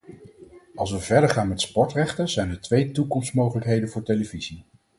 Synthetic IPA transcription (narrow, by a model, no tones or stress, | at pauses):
ɑlˠs̬ʋəvɛɹdəɹχaːnmɛtspɔɹtrɛχtəz̥ɛjnəɹtʋejtukɔmsmowχələkɦejdənvʊːɹtejləvizi